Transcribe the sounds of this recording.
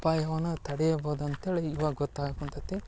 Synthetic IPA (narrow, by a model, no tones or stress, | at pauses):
paːjɐʋɐnːɐt̪ɐɽɛjɐboːd̪uɐnt̪eːleiʋaːɡɐɡɔt̪ːaːɡɐkunt̪ɐt̪ːi